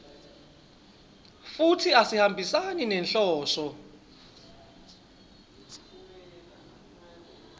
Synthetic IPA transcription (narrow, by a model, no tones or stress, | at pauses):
futʰiasihambʱisaninɛnɬɔːsɔ